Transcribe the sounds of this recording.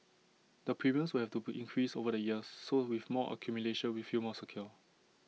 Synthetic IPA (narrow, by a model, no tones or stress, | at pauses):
dəpʰɹimiə̃nswilhɛftubʔĩŋkʰɹisovədəjiəsːowifmɔʔə̰kʰjumjuleʃə̃nwifumɔsəkʰjɔ